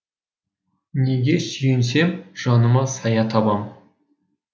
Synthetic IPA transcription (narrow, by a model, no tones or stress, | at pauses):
ne̞ɡʲe̞sʏjɪnse̞mʒ̥ɑnəmɑsɑjɑt̪ʰɑbɑm